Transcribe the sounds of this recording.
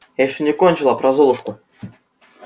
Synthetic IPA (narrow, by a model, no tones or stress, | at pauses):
jajɪɕːonʲɪkonʲt͡ɕɪlˠapɾɐzolˠʊʂkʊ